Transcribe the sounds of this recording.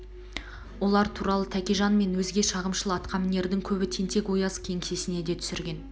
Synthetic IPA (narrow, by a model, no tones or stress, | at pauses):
wo̞lˠɑɾt̪ʰuɾɑlˠət̪ʰækʲeʒɑnme̞nwɵzɡʲe̞ʃɑʁəmʃəlˠəɑt̪qʰɑmɪne̞ɾd̪ɪŋkʲʰɵbɪt̪ʰe̞nt̪ʰe̞kwo̞jɑskʲʰe̞ŋse̞sɪne̞d̪e̞t̪ʰʏ̥sɪɾɡʲe̞n